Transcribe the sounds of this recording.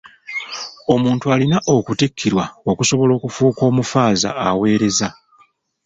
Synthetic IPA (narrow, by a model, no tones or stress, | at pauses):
o̞muːntualinaʔo̞kutikʰːiɾwao̞kuso̞βo̞lo̞ːkufuːko̞ːmufaːza̰ːwe̞ːɾe̞za